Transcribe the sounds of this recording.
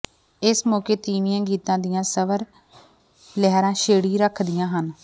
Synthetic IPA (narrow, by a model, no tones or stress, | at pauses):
ɪsmɔːkeːt̪iːmɪjãːɡiːt̪ãːd̪ijãːsəʋəɾ | lɛɦɾãːʃeːɽiːɾəkʰd̪ɪjãːɦən